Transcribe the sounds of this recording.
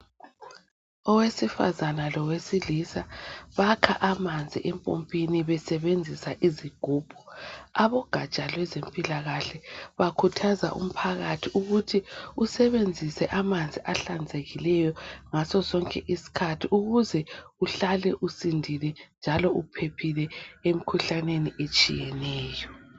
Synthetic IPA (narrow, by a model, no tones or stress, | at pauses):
ɔwesifa̰zanalɔwesilisaβakʰaʔamand͡zʱiʔɛmpʼo̰mpʼiniβɛsɛβend͡zʱisaʔiziɡ̥ʱuːb̥ʱɔaβɔɡ̥ʱat͡ʃʼalwɛzempʼilaɣaɬɛβakʰutʰaza̰ʔṵm̩pʰaɣatʰiʔuɣutʰiusɛβend͡zʱisɛʔamand͡zʱiʔaɬand͡zʱeɣilɛjɔŋasɔsɔŋkʼɛʔisi̥kʰatʰiʔuɣuzɛuɬalɛʔusindʱilɛnd͡ʒʱalɔʔupʰepʰilɛem̩kʰuɬaneniʔet͡ʃʼḭjɛnɛːjɔ